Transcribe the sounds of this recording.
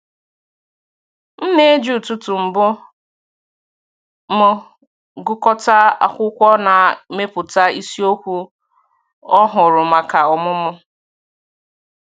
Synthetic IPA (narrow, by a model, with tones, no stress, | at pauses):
n̩˦ne˦d͡ʒu˨tu˦tu˨m̩˨bʊ˦ | mʊ˦ | ɡʊ˦kɔ˦ta˦a̰˨kʷʊ˦kʷɔ˦na˨me˦pʊ˨ta˦i˦si˦o˦kʷu˦ | ɔ˦ɦʊ˨ɾʊ˨ma˨ka˨ɔ˨mʊ˦mʊ˦